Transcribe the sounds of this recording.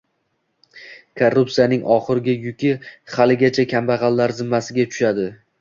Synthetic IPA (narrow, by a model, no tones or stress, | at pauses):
kʰorːʊpsijanɪŋʔɒχɨɾɪɡʲajʊkʲɪχalɪɡʲat͡ʃʰakʲʰambaʁɑlːaɾzɪmːasɪɡʲat͡ʃʰʊ̥ʃad̪ɪ